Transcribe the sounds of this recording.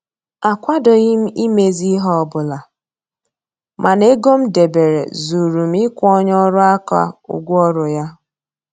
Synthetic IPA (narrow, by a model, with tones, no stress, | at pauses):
a˨kʷa˦dɔ˨ɣɪ˦m̩˦i˦me˨zi˦ɦɔ˦˨bʊ˨la˨ | mʔa˨ne˦ɡo˦m̩˦de˨be˨ɾḛ˨zu˨ɾu˨m̩˦i˦kʷɔ˦ɲ˦ɔ˦ɾʊ˦a˦ka̰˦ʊ̰˨ɡʷɔ˦ɾʊ˨ja˦